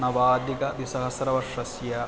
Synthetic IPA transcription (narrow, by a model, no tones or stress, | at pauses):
nɐʋaːd̪iɡɐʋ̪isɐɦɐsɾɐʋɐʂɐsjɐ